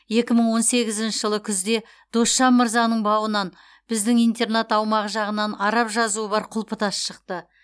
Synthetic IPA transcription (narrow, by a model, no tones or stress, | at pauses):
je̞kʲɪməɴwo̞nse̞ɡʲɪzɪnʃɪʒəlˠəkʲʰʏzd̪e̞ | d̪̥o̞sʃɑnməɾzɑnəɴbɑwənɑn | b̥ɪzd̪ɪŋijnt̪e̞rnat̪ɑwmɑʁəʒɑʁənɑnɑɾɑpʒɑzuəbɑɾqʰʊlˠpət̪ɑsʃəqt̪ə